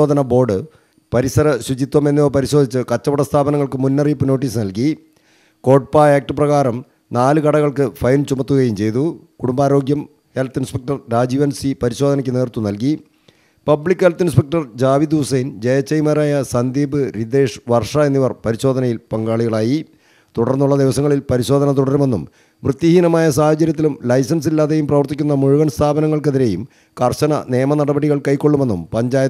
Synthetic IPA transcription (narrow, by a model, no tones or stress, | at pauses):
oːd̪ʱɐnɐbo̞ːrɖɨ | pɐɾisɐɾɐɕwut͡ɕit̪ːwɐme̞nːioːpɐɾiɕo̞ːd̪ʱit͡ɕːɨkɐt͡ɕːɐpɐɽɐst̪ʰaːbɐnɐŋːɐɭkɨmunːɐriːpːɨno̞ːʈːiːsɨnɐlki | ko̞ːʈ̚paaːk̚ʈɨprɐɣaːɾɐm | naːlɨkɐɽɐɣɐɭkɨfɐjnt͡ɕumɐt̪ːuɣɐjumt͡ɕe̞jt̪ukuɽumbaːɾo̞ːɡjɐm | helt̪ːinspek̚ʈɐrɾaːd͡ʑiʋɐnsipɐɾiɕo̞ːd̪ɐnɐkʲːɨne̞ːrt̪ːunɐlki | pɐbɭikʲːɨhelt̪ːinspɐk̚ʈɐrd͡ʑaːʋid̪usɐjnd͡ʑejɐt͡ɕːɐjmɐɾaːjɐsɐnd̪iːbɨɾid̪e̞ːʂʋɐrʂɐe̞nːiʋɐrpɐɾiɕo̞ːd̪ɐnɐjilpɐŋɡaːɭiɣɐɭaːji | t̪uɽɐrnːuɭːɐd̪iʋɐsɐŋːɐɭilpɐɾiɕo̞ːd̪ʱɐnɐt̪̬uɽɐɾume̞nːum | ʋrɨt̪ːihinɐmaːjɐsaːhɐt͡ɕɐɾjɐt̪ːilumlɐjsɐns̬ilːaːðe̞jumprɐʋɐrt̪ikʲːunːɐmuɻuɣɐnst̪ʰaːbɐnɐŋːɐɭkeðiɾe̞jum | kɐrɕɐnɐ̰ne̞ːmɐnɐɽɐbɐɽiɣɐɭkɐjkːoɭːume̞nːumpɐɲd͡ʑaːjɐ